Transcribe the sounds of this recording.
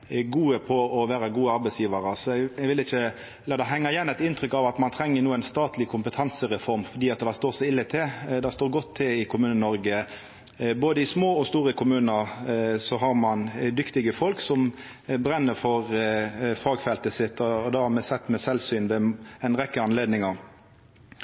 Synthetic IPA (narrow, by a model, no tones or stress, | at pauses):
ɡuːəpʰɔɔʋæːɾəɡuːəɑɾbɛɪsjiːʋɑɾəsɔɛɛɡʋɪlɪçə | ɛlːəɾd̪ɑɦɛŋːɑɪjɛnːɛɪt̪ɪnt̪ʰɾʏkɑʋɑt̪mɑnt̪ʰɾɛŋːənuːæɪnst̪ɑːt̪lɪkʰʊmpət̪ʰɑnsəɾɛfɔɾmfɔd̪iːɑt̪d̪æst̪oːsɛɪlːət̪ʰed̪ɛst̪oːɾɡɔt̪ʰːɪlɪkʰʊmʉːnənɔɾɡə | boːd̪əɪsmoːɔst̪uːʁəkʰʊmʉːnəɾsɔɦɑɾmɑnd̪ʏkt̪ɪɡəfɔlksɔm | bɾɛnːəɾfɔʁ | fɑːɡfɛlt̪əsɪt̪ːɔːd̪ɑhɑmɛsɛt̪ːmɛsɛlsyːnʋɛɛɪnʁɛkːəɑnleːd̪nɪŋɑɾ